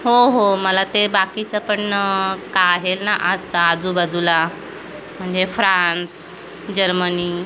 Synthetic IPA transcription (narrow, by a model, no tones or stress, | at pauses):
ɦoɦoməlat̪ebakit͡səpəɳkaaɦelnaʔat͡saːd͡zubəd͡zula | m̤əɳd͡zefɾãns | d͡ʑəɾməni